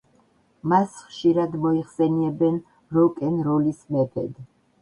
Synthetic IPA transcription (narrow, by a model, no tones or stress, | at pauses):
masχʃiɾad̪mɔiχsɛniɛbɛn | ɾɔkʼɛnɾɔlismɛpʰɛ̰d̪